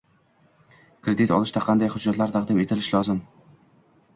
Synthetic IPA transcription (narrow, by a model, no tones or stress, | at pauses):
kɾed̪it̪ʰɒ̰lˠɪʃd̪aqʰɑnd̪ajhʊd͡ʒːat̪laɾt̪ʰɑqd̪ɪme̞t̪ʰɪlɪʃlɒzɪm